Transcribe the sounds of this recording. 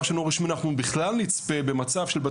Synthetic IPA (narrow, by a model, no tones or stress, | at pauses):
vʃanoʁiʃminanaχnubiχlalnit͡spe̞be̞mat͡savʃelba